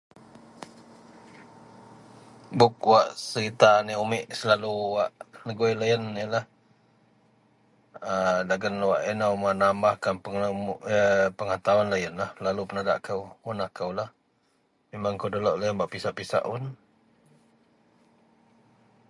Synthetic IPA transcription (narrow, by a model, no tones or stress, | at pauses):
bʊk̚waʔsəɾit̪aniumɪʔsəlaluwaʔnəɡujlajənjəlah | ədaɡənwaʔinəwmənambahkanpəŋəpəŋat̪awanlajənlahlalupənada̰ʔkəwunahkəwlah | memaŋkawdoloʔlajənbaʔpisaʔpisa̰ʔʊn